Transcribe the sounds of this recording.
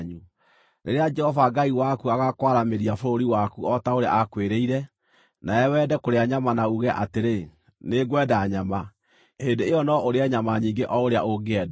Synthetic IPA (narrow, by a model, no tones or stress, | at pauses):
ɲu | nḛɾead͡ʒɛhɔvaɡaiwakuaɣakwaɾameɾiafoɾoɾiwakuɔtaoɾea̰ʔakweɾeiɾɛ | naɛwɛːdɛkoɾeaɲamanauɣɛʔa̰teɾe | neɡwɛdaɲama | endeejɔnɔoɾeɛɲamaɲiːŋɡeʔɔoɾea̰ʔoɡeɛda